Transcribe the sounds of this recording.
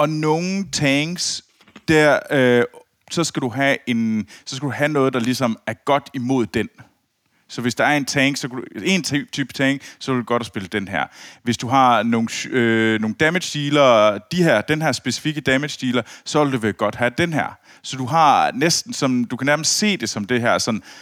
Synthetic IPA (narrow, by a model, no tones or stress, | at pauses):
ɒ̽no̝ːŋ̩t͡sʰɛŋs | d̥æɐ̰ø | sɒ̽sɡ̥æd̥uɦæe̝nsɒ̽s̬ɡ̥æd̥uhænɔ̽ːð̞̩ˠd̥ɑ̈lisɒ̽mæɐɡ̥ɒ̽d̥imo̝ð̰ˠd̥en | sɒ̽ʋe̝sd̥ɑ̈æɐe̝nt͡sʰeŋsɒ̽kʰædue̝nt͡sʰːt͡sʰyːb̥t͡sʰɛŋsɒ̽ʋe̝ld̥uɡ̥ɒ̽ɾ̥ɒsb̥e̝ləd̥enɦæɐ̰ʋe̝sd̥uɦɑ̈no̝ːn̩øno̝ːŋn̩d̥æmed̥sd̥iːlɐd̥ihæɐ̰d̥enɦæɐ̰sb̥e̝si̥fiɡ̥əd̥æmed̥sd̥iːlɐsɒ̽ʋeld̥uʋeɡ̥ɒ̽d̥hæd̥enɦæɐ̰ | sɒ̽d̥uɦɑ̈nesd̥n̩sɒ̽md̥ukʰænæɐməsd̥se̝̰ːd̥e̝sɒ̽md̥e̝ɦæɐ̰sɒ̽n